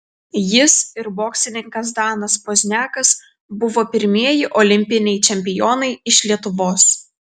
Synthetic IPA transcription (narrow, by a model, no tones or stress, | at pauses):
jɪsɪɾboːksʲɪnʲɪŋkɐs̬d̪ɑːnɐspoːzʲnʲæːkɐs | bʊʋoːpʲɪɾʲmʲiɛjɪʔɔlʲɪmʲpʲɪnʲɛɪt͡ʃʲɛmʲpʲɪjɔːnɐɪɪʃʲlʲiɛt̪ʊʋoːs